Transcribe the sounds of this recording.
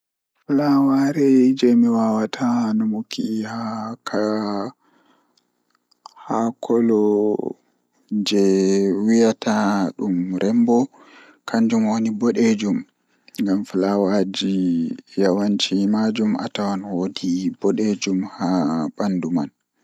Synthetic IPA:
flawaɾɛd͡ʒɛmiwawatʰanɔmokihakʰa | hakʰɔlɔ | d͡ʒɛwijatʰaɗumɾʔɛmbɔ | kʰaɲd͡ʒumwonibɔɗed͡ʒum | ŋɡamflawad͡ʒijawant͡ʃimad͡ʒumʔa̰tawanwodibɔɗed͡ʒumhaɓanduma̰n

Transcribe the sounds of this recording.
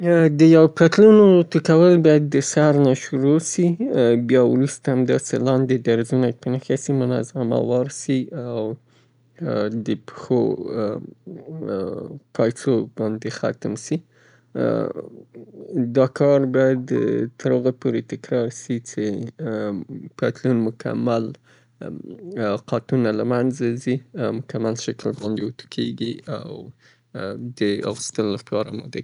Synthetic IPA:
d̪əjawpat̪lunot̪ɪkawəlbɑjad̪ːəsaɾnaʃʊɾosibjɑwɾust̪aamd̪ɑsḛlɑnd̪ed̪aɾzunapənəxasimʊnɑ̰zama̰wɑɾsiaw | d̪əpxo̰ | pʰɑjsobɑnd̪exa̰t̪msi | d̪ɑkɑɾbɑjad̪t̪əɾoɣapoɾet̪ɪkɾɑɾsit͡ʃe | pat̪lunmʊkʰa̰mal | qɑt̪unalamanzazimʊkamalʃaklbɑnd̪eʊt̪u̥kʰeɡia̰w | d̪əa̰ɣəst̪əllapɑɾa̰mɑ̰d̪a

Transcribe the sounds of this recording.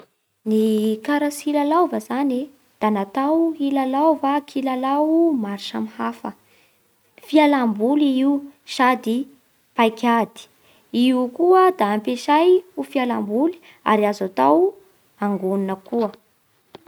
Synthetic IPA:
nikaɾasilalawvəzani | d̪̥anat̪awilalawvakʰilalawumaɾiʃamhafə | fialambuliiuʃad̪i | pajkʲad̪i̥ | iukuəd̪aːmpeʃajufialambuli̥ | a̰ɾiazat̪aw | aŋɡoninəkuə

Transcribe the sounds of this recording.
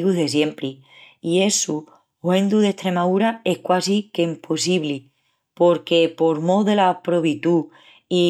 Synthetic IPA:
ɣuðe̞s̬je̞mpɾi | ie̞su | wẽ̞nd̪uðe̞ht̪ɾe̞maðuɾae̞hkwasikeimpʰosiβli | po̞ɾke̞po̞ɾmoðe̞lapɾoβit̪u | i

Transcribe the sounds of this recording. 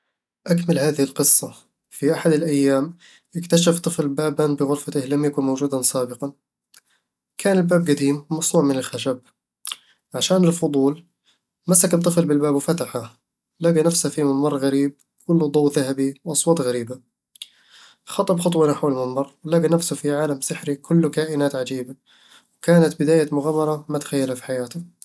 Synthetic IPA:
ʔakmɪlhaːðɪhɪlqɨsˤːɑ | fiʔaħad̪ɪlʔajːaːm | ʔɪkt̪aʃaft̪ˤɨflbaːbanbɪɣʊɾfat̪ɪhlamjakʊnmowd͡ʒuːd̪ansaːbɪqɑn | kʰaːnɪlbaːb̚ɡad̪iːmːɑsnuːʕmɪnɪlxaʃab̚ | ʕaʃaːnɪlfʊd̪ˤuːl | masak̚t̪ˤːɨflbɪlbaːbwfat̪aħa | laɡanafshafimɪmːɑrˤːɣaɾiːb̚ | kʰʊlːd̪ˤɑwðaɦabiwʔɑsˤwɑːt̪ˤɣaɾiːba | xɑt̪ˤɑbxɑt̪ˤwɑnaħwalmɪmːɑrˤwlaɡanafsʊfiʕaːlamsɪħɾikʰʊlːkaːʔɪnaːt̪ʕad͡ʒiːba | wkaːnat̪̚bɪd̪aːjamʊɣaːmːɑɾˤɑmat̪ḁxajːalhafi̥ħajaːt̪ʊ

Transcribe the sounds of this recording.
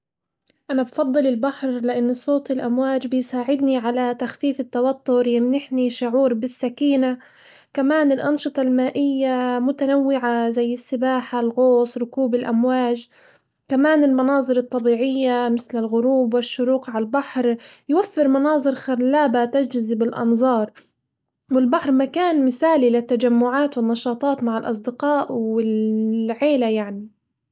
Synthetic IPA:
ʔanabfɑd̪ˤːɨlɪlbaħɾlɪʔanːsˤoːt̪ɪlʔamwaːd͡ʒbɪjsaːʕɪd̪niʕalat̪axfiːfɪt̪ːawat̪ːʊɾjɪmnɪħniʃʊʕuːɾbɪsːakiːna | kamaːnɪlʔɑnʃɨt̪ˤɑlmaːʔɪjːamʊt̪anawːɪʕazajːɪsːɪbaːħalɣoːsˤɾˤʊkuːbɪlʔamwaːd͡ʒ | kamaːnɪlmɑnɑːzˤɨɾɨt̪ˤːɑbiːʕɪjːamɪθlɪlɣʊɾuːbwɪʃːʊɾuːqʕalbaħɾ | jwafːɪɾmɑnɑːzˤɨɾxaɾlːaːbat̪ad͡ʒzɪbɪlʔɑ̰nzˤɑːɾˤ | wɪlbaħɾˤmakaːnmɪθaːlilɪt̪ːad͡ʒamːʊʕaːt̪wɪnːɑʃɑːt̪ˤɑːt̪maʕɪlʔɑ̰s̬ˤd̪ɪqɑːʔwɪlʕeːlajaʕni

